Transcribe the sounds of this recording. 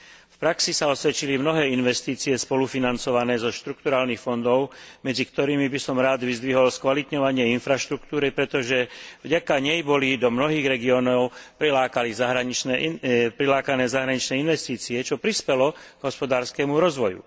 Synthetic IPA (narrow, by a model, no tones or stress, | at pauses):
fpɾaksisaɔsʋɛt͡ʃilimnɔɦɛːinʋɛst̪iːt͡siɛspɔlufinant͡sɔʋanɛːzɔʃt̪ɾukt̪uɾaːlnixfɔnd̪ɔʊmɛd͡zikt̪ɔɾiːmibisɔmɾaːd̪ʋizd̪ʋiɦɔlskʋalit̪ɲɔʋaɲɪɛinfɾaʃt̪ɾukt̪uːɾipɾɛt̪ɔʒɛvɟakaɲɛjbɔlid̪ɔmnɔɦiːɣɾɛɡiɔːnɔʊpɾilaːkalizaɦɾaɲit͡ʃnɛpɾilaːkanɛːzaɦɾaɲit͡ʃnɛinʋɛst̪iːt͡siɛt͡ʃɔpɾispɛlɔɡ̥ɦɔspɔd̪aːɾskɛmuɾɔzʋɔjṵ